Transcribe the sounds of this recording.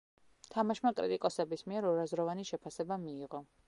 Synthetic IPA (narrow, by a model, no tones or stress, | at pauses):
t̪ʰamaʃmakʼɾḭt̪ʼikʼɔsɛbismiɛɾɔɾazɾɔvaniʃɛpʰasɛbamiːʁɔ